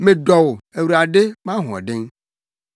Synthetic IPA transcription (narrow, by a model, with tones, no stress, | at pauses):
mẽ˨dɔ˨we˨wu˨ɾa˨dɪ˦mã˦ɦʊ̃˨ɔ̰˨dɪ˦n